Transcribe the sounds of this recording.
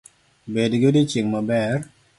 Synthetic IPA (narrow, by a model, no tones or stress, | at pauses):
bedɡedɪt͡ʃɪŋmabɛr